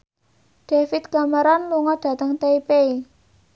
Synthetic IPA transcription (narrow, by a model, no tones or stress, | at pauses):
ɖ̪̥efit̪kaməɾanluŋɔd̥ä̤t̪əŋt̪eipei